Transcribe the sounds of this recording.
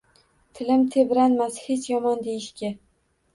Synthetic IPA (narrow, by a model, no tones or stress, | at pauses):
t̪ʰɪlɪmt̪ʰebɾanmashe̞t͡ʃʰjɒmɒnd̪ejɪʃkʲa